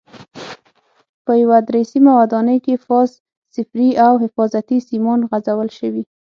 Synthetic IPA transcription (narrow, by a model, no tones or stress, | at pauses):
pəjawad̪ɾesimawad̪ɑnəjkefɑz | sɪfɾiawhɪfɑzat̪isimɑnɣazawəlʃəwi